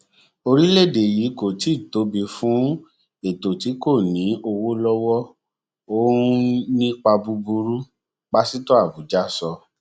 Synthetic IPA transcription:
o˧ɾi˦le˦˨de˨ji˨˦ko˨ti˨˦˨to˨˦bi˧fũ˦ | e˨to˨ti˨˦ko˦˨nĩ˨˦o˧wo˦lɔ˦wɔ˦ | o˦nĩ˦k͡pa˧bu˧bu˧ɾu˦ | k͡pa˦si˦to˦a˦˨bu˨˦d͡ʒa˦sɔ˧

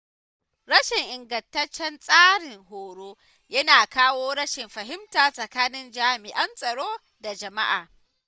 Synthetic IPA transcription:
ɽɐ˦ʃɪ˨ŋʔɪ˨ŋɡɐ˨ntɐ˦t͡ʃːɛ˦nsʼaː˦ɽɪ˨ŋɦoː˨ɽoː˦ | jɐ˦naː˨kaː˦woː˦ɽɐ˦ʃɪ˨mɸɐ˨ɦɪ˦mtaː˨sʼɐ˨kaː˦nɪ˦nd͡ʒaː˦mɪ˨ʔɐ˦nsʼɐ˨ɽoː˦ | da˨d͡ʒɐ˨ma̰˦ʔa̰ː˨

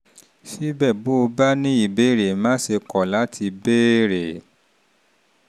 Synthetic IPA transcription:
ʃi˦bɛ˦˨bo˦o˧ba˦nĩ˦i˦˨be˨˦ɾe˨mãː˦ʃe˧kɔ˨la˨˦tʰi˧be˦ɾe˨

